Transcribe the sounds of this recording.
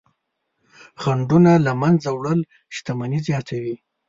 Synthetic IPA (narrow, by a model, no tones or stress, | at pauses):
xaɳɖunalamanzawɽəl | ʃt̪amanizjɑt̪ʰawi